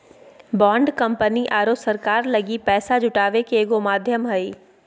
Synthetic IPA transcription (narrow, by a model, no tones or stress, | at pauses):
bãːɳɖkɐ̃mpəniʔaːɾosɐɾkaːɾlɐɡipɛːsad͡ʒʱʊʈaːʋekeeːɡomaːd̪ʱjəmɦɐi